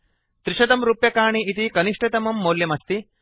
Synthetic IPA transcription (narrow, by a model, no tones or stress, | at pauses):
t̪ɾiʃɐd̪ɐmɾupjɐkaːɳiʔit̪ikɐniʂʈɐt̪ɐmɐmːoːljɐmɐst̪i